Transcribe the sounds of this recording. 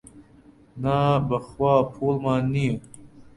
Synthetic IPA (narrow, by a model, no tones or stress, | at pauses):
nabɐxwaːpʰoːlmaːnio